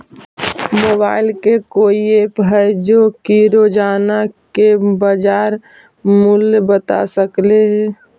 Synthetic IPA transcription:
mobaːɪlkekoːiepɦɛjd͡ʒokiɾod͡ʒaːnakebəd͡ʒaːɾ | mulbət̪a̰səkleɦɛ

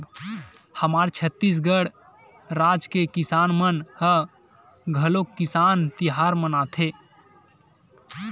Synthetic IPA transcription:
həmaɾt͡ʃʰət̪ːis̬ɡəɽ | ɾad͡ʒkekisanmənhə | ɡʱəlokːisaːnt̪iɦaɾmənat̪ʰe

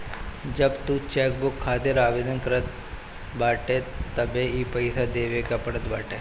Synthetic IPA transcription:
d͡ʒɐbt̪ut͡ʃɛːk̚bʊkʰːaːt̪ɪɾaːʋeːd̪ənkɐɾət̪̚ | baːʈet̪ɐbeipɐɪsad̪eːʋekapɐɽət̪baːʈeː

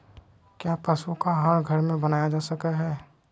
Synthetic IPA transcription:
kjaːpəsukaɦəɾɡʱəɾmẽbənaːjad͡ʒaːsəkaɦɛː

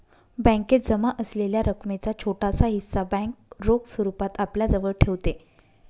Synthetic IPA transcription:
bə̃ŋket̪̚d͡zəmaʔəsleljaɾəkmet͡sat͡ɕʰoʈasaɦisːabɛ̃ŋk̚ɾoɡsəɾupat̪apljad͡zəʋəɭʈʰeʋt̪e

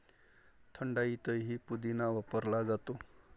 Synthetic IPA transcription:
t̪ʰəɳɖait̪ʌjɦipud̪inawapʌɾlad͡zat̪u

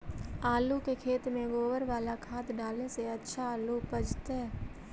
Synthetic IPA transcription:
aːlukekʰeːt̪mẽɡoːʋəɾʋaːlakʰaːt̪ɖaːlneseɐtːʃʰaːlupəd͡ʒt̪ɦɛː

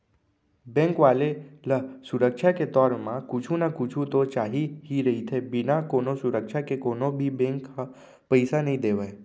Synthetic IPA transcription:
bɛ̃ːŋkʋaːleləsʊɾəkʃʰaket̪ɔːɾmãkʊt͡ʃʰunakʊt͡ʃʰut̪ot͡ʃaːɦiɦiɾɐɦit̪ʰebɪnakoːnosʊɾəkʃʰakekoːnobʱibɛ̃ːŋka | pəɪsanɐɦĩd̪eːʋaː

